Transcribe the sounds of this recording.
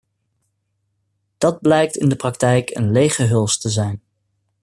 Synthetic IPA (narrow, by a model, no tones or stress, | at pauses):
d̥ɑd̚blɛjk̚tɪndəprɑk̚tɛjkʰə̰nlejχəɦɵlˠstəzɛjn